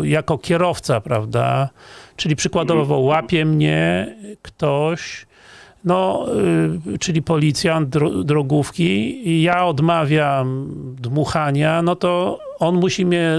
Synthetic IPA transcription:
jakɔkʲɛɾɔft̪sapɾavd̪a̰t͡ʂɘlʲipʂɘkwad̪ɔvɔwapʲjɛmɲɛkt̪ɔɕ | nɔ | t͡ʂɘlʲipɔlʲit̪sʲjand̪̚ɾɔd̪ɾɔɡufkʲijaɔd̪mavʲjamd̪muxaɲanɔt̪ɔ | ɔnmuɕimʲɲɛ

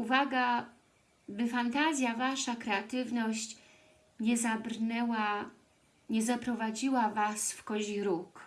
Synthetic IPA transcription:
uvaɡa | bɘfant̪azʲjavaʂakɾɛat̪ɘvnɔɕt͡ɕ | ɲɛzabɾnɛwa | ɲɛzapɾɔvad͡ʑiwavasfkɔʑiɾuk

